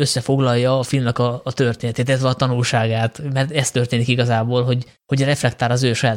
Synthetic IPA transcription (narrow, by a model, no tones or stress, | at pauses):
ø̞sːɛfo̞ɡlɒjːɒːfilmnɛkɒːt̪ø̞rt̪eːnɛt̪eːt̪ilɛt̪ʋɛɒt̪ɒnulʃaːɡaːt̪mɛrt̪ɛst̪ø̞rt̪eːnikiɡɒzaːboːlɦo̞ɟ | ho̞ɟrɛflɛkt̪aːɾɒzøːʃɒjaːt̪